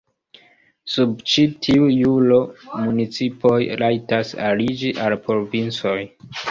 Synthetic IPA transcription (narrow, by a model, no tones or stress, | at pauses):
sub̚t͡ʃitʰiujulo̞munit͡sipo̞jɾʔajtasa̰lid͡ʒiʔalpɾo̞vint͡so̞j